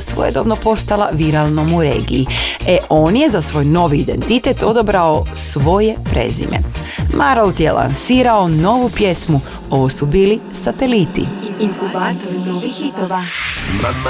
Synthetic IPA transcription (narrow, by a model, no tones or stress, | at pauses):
sʋo̰jḛd̪omnopo̞st̪alˠaʋiɾalˠnomuɾe̞̰ːɡḭjieʔo̞ːnje̞zasʋo̞ːjno̞ʋiːd̪e̞nt̪it̪et̪o̞d̪obɾaosʋo̞je̞pɾe̞̰zḭmʔe̞̰ | mʔaɾolˠt̪jḛla̰nsiːɾao̞no̞ʋupje̞smu | o̞ʋosubiːli | sat̪e̞lit̪ḭiuat̪